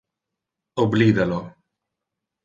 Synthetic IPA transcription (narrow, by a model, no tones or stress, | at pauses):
obliːd̪alo